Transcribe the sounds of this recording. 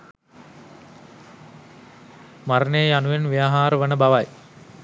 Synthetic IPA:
maɾənejəjanuʋenʋijaɦaːɾəʋənəbaʋaj

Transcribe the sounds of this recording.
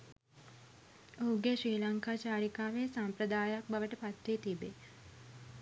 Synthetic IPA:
ouɡeʃɾiːlaŋkaːt͡ʃaːɾikaːʋesampɾəd̪aːjak̚baʋəʈəpat̪ʋeːt̪ibe

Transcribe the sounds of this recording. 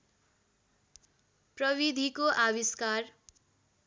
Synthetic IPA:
prʌwid̪ʱikoʔawiskar

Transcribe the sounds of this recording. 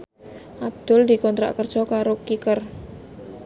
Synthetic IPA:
ʔab̚d̪̥ʊ̤ld̪i̤kɔnt̪ɾa̰ʔkərd̥ʒ̥ɔkaɾokikər

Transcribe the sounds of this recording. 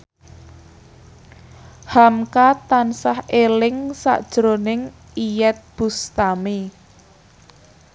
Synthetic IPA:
hamkat̪ansahelɪŋsa̰ʔd̥ʒ̥ɾonɪŋ | ijɛt̪̚b̥ṳst̪ami

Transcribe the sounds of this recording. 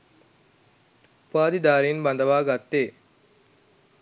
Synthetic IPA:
paːd̪id̪aːɾiːnbɐnd̪əʋaːɡat̪ːeː

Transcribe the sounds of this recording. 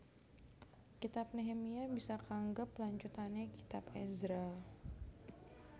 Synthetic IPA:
kit̪ap̚neɦemiabisakaŋɡapːlaɲt͡ʃut̪anaki̥t̪apɛzɾa

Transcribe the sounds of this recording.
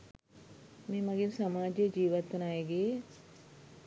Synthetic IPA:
meːmɐɡinsamaːd͡ʒed͡ʒiːʋat̪ːunaːjeɡeː

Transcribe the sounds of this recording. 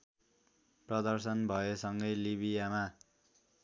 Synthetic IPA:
prʌd̪ʌrsʌnbʱʌesʌŋɡʌjlibʱijama

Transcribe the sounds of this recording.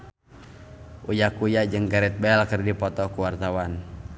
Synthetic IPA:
ʔujakujad͡ʒɨŋɡaɾɛt̪̚bɛlkərdipɔt̪ɔkuwart̪awan

